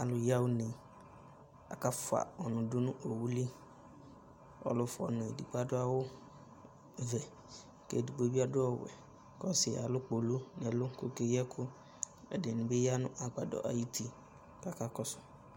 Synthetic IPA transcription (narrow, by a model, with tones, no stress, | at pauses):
a˨lʊ˨ja˦wʊ˦nɪ̃˨ | a̰˨ka˦fʊ˨a̰˨ɔ˨nʊ̃˨dʊ˦nʊ̃˦ʔo˨wu˦li˦ | ɔ̰˦lʊ˦fɔ̰˨nʊ̃˨e˨di˨ɡ͡ba˦dʊ˦a˦wʊ˦ | vɛ˨ | kḛ˨di˨ɡ͡bo˦bi˦a˦dʊ˦ɔ˦wɛ̰˨ | kɔ˦sɪ˨a˨lʊ˦k͡po˨lu˦nɛ˨lʊ˦ko˦ke˦jɛ˦kʰʊ˦ | ɛ˨dɪ˨nʊ̃˨bɪ˦ja˦nʊ̰̃˦ʔa˨ɡ͡ba˨dɔ̰˨ʔa̰˨ji˦tʰi˦ | ka˨ka˦kɔ˦sʊ̥˦